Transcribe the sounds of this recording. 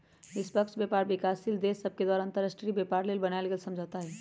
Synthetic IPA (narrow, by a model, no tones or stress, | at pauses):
ɪspəkʃbjɛːpaːɾbɪkaːsild̪eːsəb̚ked̪waːɾaə̃nt̪əɾaːsʈɾibepaːɾleːlbɐnalɡeːlsɐ̃md͡ʒʱat̪aɦɛː